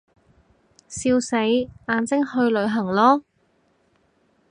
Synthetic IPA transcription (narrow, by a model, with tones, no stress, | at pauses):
siː˧wse˨˧˥jaː˧nt͡sɪ˥ŋhɵ˧ɥlɵ˨˧ɥɦɐ˨˩ŋlɔː˥